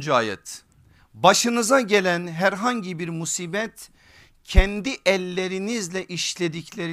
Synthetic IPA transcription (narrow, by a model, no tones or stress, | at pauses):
d͡ʒuaːjɛ̰t̪ | baʃɯnɯzaɟe̞lʲænɦæɾɦaɲɟibiɾmusiːbɛt̪ | cʰɛnd̪iʔɛlʲːe̞ɾinizlʲɛʔiʃlʲe̞d̪iclʲeɾ